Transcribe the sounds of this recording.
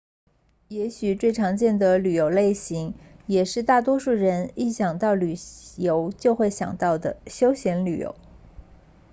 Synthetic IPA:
jɛ˧˥ɕy˨˩t͡swe˥˩ɪʈ͡ʂʰɑ˧˥ŋt͡ɕjɛ˥˩nd̪ə˩ly˨˩jo˧˩ʊle˥˩ɪɕi˧˥ŋjɛ˨˩ʂɻ̩˥˧t̪a˥˩t̪wɔ˥ʂu˥˩ɻə˧˥ni˥˩ɕjɑ˨˩ŋt̪ɑ˥˩ʊly˨˩jo˧˥ʊt͡ɕjo˥˧ʊxwe˥˩ɪɕjɑ̰˨˩ŋt̪ɑ˥˩ʊd̪ə̰˩ɕjo˥ʊɕjɛ˧˥nly̰˨˩jo̰˧˥˦ʊ

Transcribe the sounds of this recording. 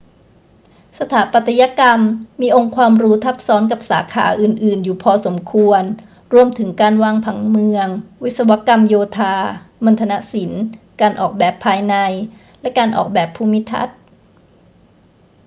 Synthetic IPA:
sa˧t̪ʰaː˩˦pa˨˩t̪ʰːa˧ja˧˥ka˧mːiː˧ʔo˧ŋkʰwaː˧mɾuː˦˥t̪ʰa˦˥p̚sɔː˦˥nka˨˩p̚saː˩˦kʰa̰ː˩˦ʔɯː˨˩nʔɯː˨˩njuː˨˩pʰɔː˧so˩˦mkʰu˧ən | ɾu˧əmt̪ʰɯ˩˦ŋkaː˧nwaː˧ŋpʰa˩˦ŋmɯ˧əŋwi˦˥t̪̚sa˧wa˦˥ka˧mjoː˧t̪ʰaː˧ma˧nt̪ʰa˧na˦˥ʔsi˩˦n | kaː˧nʔɔː˨˩k̚bɛː˨˩pʰːaː˧jna˧j | lɛ˦˥kaː˧nʔɔ̰ː˨˩k̚bɛː˨˩pʰːuː˧˩mi˦˥t̪ʰa̰˦˥t̪̚

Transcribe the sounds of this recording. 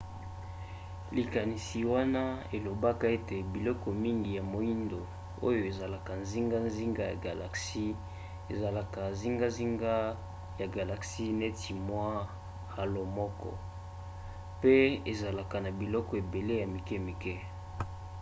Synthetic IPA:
li˨ka˨ni˨si˨wa˦na˦e˨lo˨ba˦ka˨e˦te˨bi˨lɔ˦kɔ˨mi˦ŋɡi˨ja˨mo˨i˦ndo˨ | o̰˦jo˨e˨za˨la˨ka˨nzi˦ŋɡa˦nzi˦ŋɡa˦ja̰˨ɡa˨la̰˨ksi˦ | e˨za˨la˨ka˨zi˦ŋɡa˦zi˦ŋɡa˦ | ja˨ɡa˨la˨ksi˦ne˦ti˨mwa˦ | ha˨lo˨mɔ˦kɔ̰˦ | pe˦e˨za˨la˨ka˨na˨bi˨lɔ˦kɔ˨e˨be˨le˦ja˨mi˨kɛ˦mi˨kɛ˦

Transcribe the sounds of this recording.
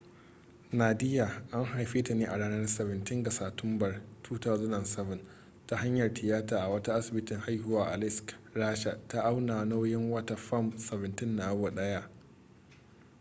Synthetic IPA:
naː˨dɪ˦jaː˨ʔa˦ŋɦa˨jɸeː˦ta˨neː˦ʔa˨ɽaː˦nɐ˦rsɛ˨bɪ˨ntɪ˦ŋɡɐ˨saː˨tʊ˦mbɐ˨rtʰuː˦ta˦zʊ˦nɐ˨nsɛ˦vɪ˨n | ta˦ha˦ɲjɐ˨rtʰɪ˨jaː˦taː˨ʔa˨wɐ˦ta˦ʔa˦sɪ˨bɪ˦tɪ˨ŋha˦jhʊ˦waː˦ʔa˨lɪ˦skɾaː˦ʃa˨ta˦ʔa˦wnaː˨no˦wjɪ˦ŋwɐ˦ta˨ɸɐ˦msɛ˨bɪ˨ntɪ˦nːa˨˦wa˨ɗɐ˦ja˦ʔ

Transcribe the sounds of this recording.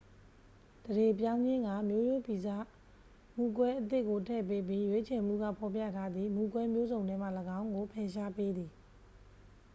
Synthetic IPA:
d̪̥əde˨pjã˦ʊ̃ɲd͡ʑɪ̃˦ŋɡa˦˨mjo˦jo˦pi˨za̰˦˨ | mu˨kwɛ˦ʔət̪̬ɪ˦ʔkːo˨tʰɛ̰˦˨pe˦p̬ji˦jwe˦t͡ɕʰɛ˨m̥ṵ˦˨ɡä̰˦˨pʰɔ˨p̬jä̰˦˨tʰa˦d̪ði˨mu˨kwɛ˦mjo˦zõ˨nɛ̃˦m̥a̰˦˨ləɡã˦ʊ̃ŋɡo˨pʰɛ˨ʃa˦pe˦d̪ði˨

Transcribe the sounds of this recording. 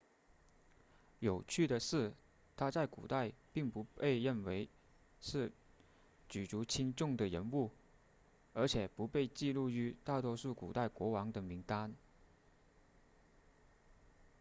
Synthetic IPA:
jo˨˩ʊt͡ɕʰy˥˩d̪ə˩ʂɻ̩˥˩ | t̪ʰa˥t͡sa˥˩ɪkṵ˨˩t̪a˥˧ɪpi˥˩ŋpu˧˥pe˥˧ɪɻə˥˩nwe˧˥ɪ | ʂɻ̩˥˩ | t͡ɕy˨˩ʈ͡ʂu˧˥t͡ɕʰi˥ŋʈ͡ʂʊ˥˩ŋd̪ə˩ɻə˧˥nu˥˩ | ə˞˧˥t͡ɕʰjɛ˨˩pu˧˥pe˥˧ɪt͡ɕi˥˧lu˥˩y˧˥t̪a˥˩t̪wɔ˥ʂu˥˩kṵ˨˩t̪a˥˩ɪkwɔ˧˥wɑ˧˥ŋt̪ə˨˩mi˧˥ŋt̪a˥n

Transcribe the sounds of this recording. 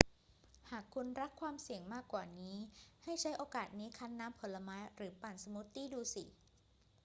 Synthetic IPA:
haː˨˩kʰːu˧nɾa˦˥kʰːwaː˧msi˨˩əŋmaː˥˩kːwaː˨˩niː˦˥ha˥˩jt͡ɕʰa˦˥jʔoː˧kaː˨˩t̪̚niː˦˥kʰa˦˥nːaː˦˥mpʰo˨˩˦la˧maː˦˥jɾɯː˩˦paː˨˩nsa˧mu˦˥t̪ːiː˥˩duː˧si˨˩˦

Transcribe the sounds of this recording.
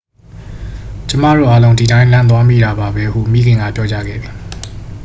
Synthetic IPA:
t͡ɕə˦ma̰˦˨ɾo̰˦˨ʔa˦lõ˦ʊ̃di˨tã˦ɪ̃lã˦nt̪̬wa˦mḭ˦˨ɾa˨ba˨bɛ˦hṵ˦˨ʔmḭ˦˨ɡɪ̃˨ŋɡä̰˦˨pjɔ˦t͡ɕa̰˦ɡɛ̰˦˨d̪ði˨

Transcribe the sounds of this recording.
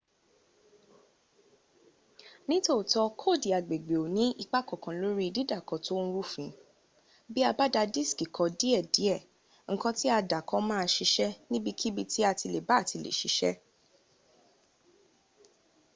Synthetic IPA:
nĩ˦to˦˨tɔ˧kʰo˦˨di˨a˨ɡ͡be˨ɡ͡be˨o˨nĩ˦i˦˧k͡pa˦kɔ˨kã˨lo˦ɾi˦˧di˦da˦˨kɔ˨˦to˦ñ̩˦ɾu˦fĩ˨˦ | bi˦a˧ba˦da˧di˦˨ski˨kʰɔ˧di˦ɛ˦˨di˨˦ɛ˦˨ | ŋ̩˦kɔ̃˧ti˦a˧da˨kɔ˨˦mãː˦a˧ʃi˧ʃɛ˦nĩ˦bi˧kʰi˦bi˦˧ti˦a˧ti˧le˨ba˨˦˨ti˧˨lḛ˨ʃi˨˦ʃɛ˦

